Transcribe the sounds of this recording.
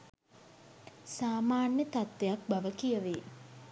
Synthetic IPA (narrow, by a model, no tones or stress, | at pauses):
saːmaːnjət̪at̪ʋejak̚baʋəkijəʋe